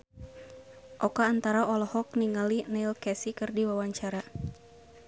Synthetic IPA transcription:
ʔɔkaːnt̪aɾaɔlɔhɔk̚niŋalinɛilkɛsikɨrdiwawaɲt͡ʃaɾa

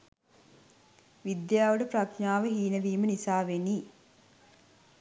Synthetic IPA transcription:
ʋid̪jaːʋəɖəpɾakaːʋəɦiːnəʋiːmənisaːʋeni

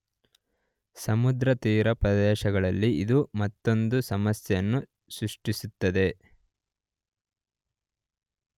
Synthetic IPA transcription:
sɐmud̪ɾɐt̪iːɾɐpɾɐd̪ɛːʃɐɡɐɭɐlːiid̪umɐt̪ːo̞nd̪usɐmɐsjɐjɐnːu | sɾuʂʈisut̪ːɐd̪e̞

